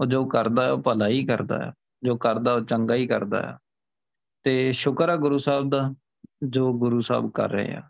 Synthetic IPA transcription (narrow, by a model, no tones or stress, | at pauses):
oːd͡ʒoːkəɾd̪aːɛoːpəlaːiːkəɾd̪a̰ː | d͡ʒoːkəɾd̪aːoːt͡ʃəŋɡaːiːkəɾd̪a̰ːja̰ː | t̪eːʃʊkɾaːɡʊɾuːsaːb̚d̪aː | d͡ʒoːɡʊɾuːsa̰ːbkə̰ɾːə̰ḛːa̰ː